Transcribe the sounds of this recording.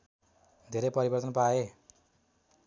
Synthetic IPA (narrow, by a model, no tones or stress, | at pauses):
d̪ʱeɾejpʌɾibʌrt̪ʌnpae